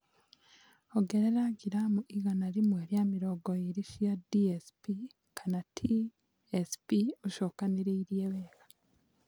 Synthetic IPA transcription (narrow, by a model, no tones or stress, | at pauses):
oɡe̞ɾeɾaɡiɾamuʔiɣanalimweːɾjamiɾoɡoiɾiʃjadiespi | kʰanatʰi | espioʃokaniɾiːɾjeβeːkḁ